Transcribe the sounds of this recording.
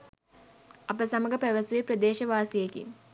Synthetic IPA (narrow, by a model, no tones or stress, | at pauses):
ɐpəsaməɡəpæʋɐsuʋepɾɐd̪eːʃɐʋaːsijekḭ